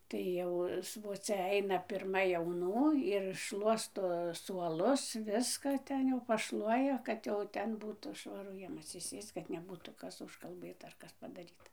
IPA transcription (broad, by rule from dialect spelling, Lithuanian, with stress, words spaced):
tɐɪ ˈjɛʊ sʋoːˈt͡sʲɛ ˈɐɪnɐ pʲɪrˈmɐ jɛʊˈnuː ɪr ˈʃlˠuɔstoː suɔˈlˠʊs ˈʋʲɪskɐ ˈtʲɛn jɛʊ pɐˈʃlˠuɔjɛ ˈkɐt jɛʊ ˈtʲɛn ˈbuːtuː ʃʋɐˈrʊ ˈjiɛm ɐtʲsʲɪˈsʲeːst͡s kɐt nʲɛˈbuːtuː ˈkɐs ʊʃkɐlˠˈbɘtɐ ɐr ˈkɐs pɐdɐˈrʲiːtɐ